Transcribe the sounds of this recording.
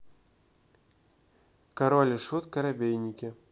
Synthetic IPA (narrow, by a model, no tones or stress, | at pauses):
kaɾɔlʲɪʂut̪kɐɾabʲejnʲikʲɪ